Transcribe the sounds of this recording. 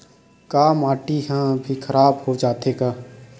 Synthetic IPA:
kaːmaːʈiːɦãːbʱiːkʰəɾaːbɦod͡ʒaːt̪eːɡaː

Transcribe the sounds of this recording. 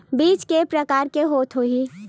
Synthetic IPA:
biːt͡ʃkepɾəkaːɾkeɦoːt̪ɦoi

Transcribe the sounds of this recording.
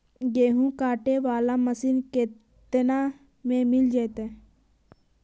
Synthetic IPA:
ɡeːɦũkaːʈeʋaːlaməsiːnkeː | t̪əna | mẽmɪld͡ʒat̪e

